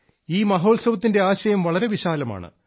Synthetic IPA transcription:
iːmɐɦo̞ːlsɐʋɐt̪ːinde̞aːɕɐjɐmʋɐɭɐɾe̞ʋiɕaːlɐma̰ːɳɨ̰

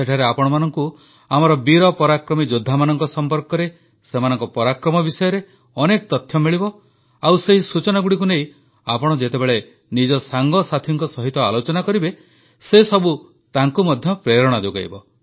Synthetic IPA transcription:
eʈʰaɾeapɔɽ̃ɔmanɔŋku | amɔɾɔbiɾɔpɔɾakɾɔmid͡ʒod̪ʱːamanɔŋkɔsɔmpɔɾkɔɾe | semanɔŋkɔpɔɾakɾɔmɔbisɔjɔɾe | ɔnekɔt̪ɔt̪ʰjɔmiɭibɔ | awseɦisut͡ʃɔnaɡuɽikunej | apɔɽ̃ɔd͡ʒet̪ebeɭe | nid͡ʒɔsaŋɡɔsat̪ʰiŋkɔsɔɦit̪ɔalot͡ʃɔnakɔɾibe | sesɔbu | t̪aŋkumɔd̪ʱjɔpɾeɾɔɽ̃ad͡ʒoɡa̰jbɔ

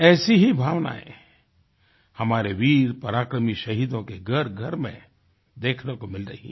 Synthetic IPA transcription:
ɛːsiɦibʱaːʋna̰ḛ̃ | hɐmaːɾeʋiːɾpɐɾaːkɾəmiʃɐɦiːd̪õkeɡʱɐɾɡʱɐɾmḛ̃ | d̪eːkʰnekomɪlɾɐ̰ɦḭ

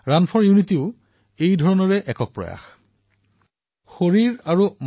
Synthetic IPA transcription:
ɹanpʰɔɹjunitiʊ | ejdʱɔɹɔnɔɹɛʔɛkɔk̚pɹɔ̰ja̰x | xoɹiɹaɹum

